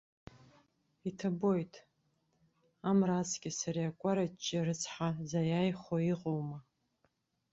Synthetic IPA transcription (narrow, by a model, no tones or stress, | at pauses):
itʰabo̞jtʼ | amrat͡sʰʼɡʲʼɪsaɾiakʷʼaɾat͡ʃʼːɪrɨt͡sʰħazajajχoiqʼowma